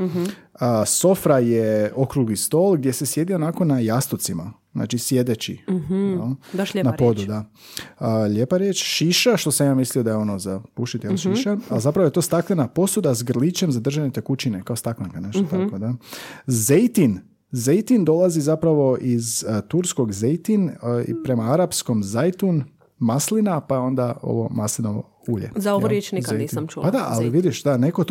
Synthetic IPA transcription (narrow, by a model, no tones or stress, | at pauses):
əso̞fɾajeo̞kɾuɡlist̪o̞lˠɡ̚d̪je̞se̞sje̞d̪io̞nako̞najast̪ot̪sima̰zna̰ːt͡ʃisje̞d̪et͡ɕḭnonapo̞d̪ud̪aəʎʲeːpaɾjet͡ʃʃiʃaʃt̪o̞saijamisliod̪ajeo̞nozapuʃit̪jelʃiʃaalzapɾaʋojt̪o̞ːst̪aklenapo̞sud̪azɡr̩lit͡ɕe̞mzad̪r̩ʒaɲet̪ekut͡ɕinekaost̪akliŋkaneʃt̪ot̪akkod̪azejt̪in | zejt̪ind̪o̞lˠazizapɾaʋo̞ʔizt̪uɾsko̞ɡzejt̪inḭpɾe̞maaɾapsko̞mzajt̪un | maslinapaeo̞nd̪ao̞̰ʋo̞̰maslinoo̰ | uʎḛzaooɾjet͡ʃnikaeniːsamt͡ʃupad̪aʔa̰lliʋid̪iʃd̪aneko